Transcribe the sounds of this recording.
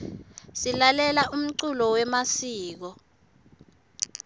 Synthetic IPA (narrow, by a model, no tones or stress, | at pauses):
silalɛlaʔum̩ǀulɔwɛmasiːk̬ɔ